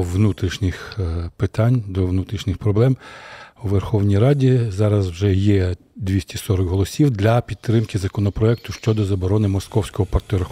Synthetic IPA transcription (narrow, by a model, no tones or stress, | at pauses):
ʋnut̪ɾʲiʃnʲɪxpɪt̪ɑnʲd̪ɔʋnut̪ɾʲiʃnʲɪxpɾɔblˠɛmwʋerxɔwnʲijɾɑdʲizɑɾɐzwʒɛjɛ | d̪ʲʋʲisʲtʲisɔɾɔɡɦɔlˠɔsʲiwd̪lʲɐpʲit̪ːɾɪmkɪzɐkɔnɔpɾɔɛk̚t̪ʊʃt͡ʃɔd̪ɔzɐbɔɾɔnɪmɔskɔwsʲkɔɦɔpɐrt̪ɛɾx